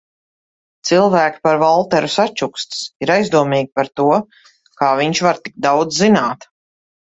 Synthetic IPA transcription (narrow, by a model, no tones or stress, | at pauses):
t̪silˠvæːkʲi̥paɾvalˠt̪ɛɾusat͡ʃukst̪i̥siɾajzd̪uɔmiːɡʲipaɾt̪uɔ | kaːviɲʃvaɾt̪iɡ̚d̪awd̪zːinaːt̪